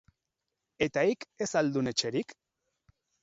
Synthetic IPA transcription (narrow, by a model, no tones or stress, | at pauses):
e̞t̪aike̞sald̪une̞t͡ʃe̞ɾik